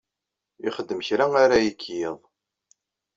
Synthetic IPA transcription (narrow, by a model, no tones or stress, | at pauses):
ɪχəd̪ːəməçɾaaɾajikʰːjeðˤ